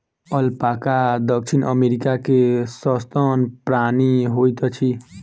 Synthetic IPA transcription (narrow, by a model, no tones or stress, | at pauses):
ʌlpakad̪ʌk̚t͡ʃʰinʔəmeɾikakesʌst̪ɔnpɾaniɦojt̪ɔt͡ʃʰi